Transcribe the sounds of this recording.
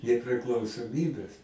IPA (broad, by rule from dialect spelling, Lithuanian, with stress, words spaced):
nʲɛpʲrʲɪklˠɐʊsoːˈmʲiːbʲɛs